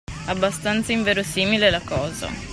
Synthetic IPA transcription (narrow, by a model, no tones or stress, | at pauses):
abːast̪ant̪saiɱveːɾosiːmilelakɔːza̰